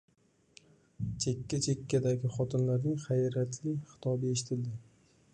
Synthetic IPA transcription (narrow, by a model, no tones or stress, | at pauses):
t͡ʃʰe̞kʲːat͡ʃʰe̞kʲːad̪aɡʲɪχɒt̪ʰɪnlaɾnɪŋχajɾat̪ʰlɪχɪ̥t̪ʰɒbɪe̞ʃɪt̪ʰɪld̪ɪ